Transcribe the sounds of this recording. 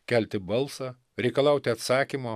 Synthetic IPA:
kʲælʲt̪ʲɪbɐlˠsɑː | ɾʲɛɪkɐlˠɑˑʊt̪ʲɪɐt̪sɑːkʲimoː

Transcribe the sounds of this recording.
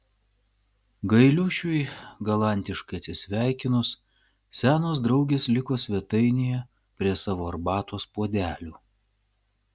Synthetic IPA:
ɡɐɪlʲʊʃʲʊɪɡɐlˠɑˑnʲt̪ʲɪʃkɐɪɐt̪ʲsʲɪsʲʋʲæˑɪkʲɪnʊs | sʲæːnoːs̬d̪ɾɒʊɡʲeːslʲɪkoːsʲʋʲɛt̪ɐɪnʲejɛ | pʲɾʲiɛsɑːʋoːɐɾbɑːt̪oːspuɔd̪ʲæːlʲoː

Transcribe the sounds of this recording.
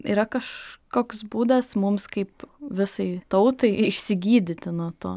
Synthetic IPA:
ḭːɾɐkɐʃkoːksbuːd̪ɐsmʊmskɐɪpʋʲɪsɐɪt̪ɐʊt̪ɐɪɪʃʲsʲɪɡʲiːd̪ʲɪt̪ʲɪnuɔt̪o̰ː

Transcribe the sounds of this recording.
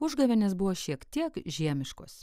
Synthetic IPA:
ʊʒɡɐʋʲɛnʲeːsbʊʋoːʃʲiɛkt̪ʲiɛkʒʲiɛmʲɪʃkoːs

